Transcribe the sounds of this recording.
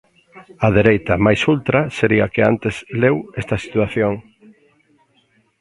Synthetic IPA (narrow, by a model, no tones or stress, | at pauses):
ɐðeɾejt̪ɐmajsult̪ɾɐseɾiakeant̪eslewest̪ɐsi̥t̪waθjoŋ